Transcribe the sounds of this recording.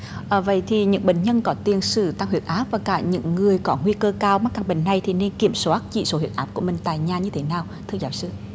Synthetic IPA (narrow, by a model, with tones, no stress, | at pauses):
ʔəː˧˩və̰˧˨jt̪ʰi˨˩ɲɨ̰˧˥ŋɓḛ˧˨˩ŋ̟ɲə˧nkɔ˨˦t̪i˨˩ənsɨ̰˧˩t̪a˧ŋhwi˨˩ət̚ʔaː˦˥p̚vaː˨˩kaː˧˩ɲɨ̰˧˥ŋːɨ˨˩əjkɔ˨˦ŋwi˧kəː˧kaː˧wma˦˥kaː˨˧˩ŋɓḛ˧˩ŋ̟na˨˩jt̪ʰi˨˩ne˧nki˧˩əmso˨˦ʔa˦˥t̚t͡ɕḭ˧˨so˨˦hi˨˩ət̚ʔaː˦˥p̚ku˧˩əmï˨˩ŋ̟t̪a̰ː˨jɲaː˨˩ɲɨ˧t̪ʰe˨˦naː˨˩wt̪ʰɨ˧zaː˨˦wsɨ˧